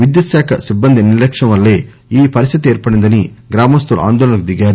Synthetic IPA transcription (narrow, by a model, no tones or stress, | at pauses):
ʋɪd̪jɐsaːkɐsɪbːɐnd̪inɪɾlɐkʂɐʋɐlːeː | iːpɐɾɪst̪ɪt̪ːeːɾpɐɽɯnd̪ɐniɡɪɾaːmɐst̪uɾa̰ːnd̪oːlɐnɐk̚d̪ɪɣaːɾ